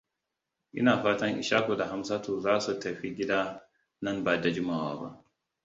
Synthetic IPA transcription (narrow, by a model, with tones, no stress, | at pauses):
ʔɪ̰˦naː˨ɸaː˦tɐ˦ŋʔɪ̰˨ʃaː˦ko˨da˨ɦa˦msa˦toː˨zaː˦su˨tɐ˨ɸi˦ɡʲi˦daː˦ | nɐ˦nbaː˨da˨d͡ʒʊ˦ma˦˨wa̰ː˦ba̰˦ʔ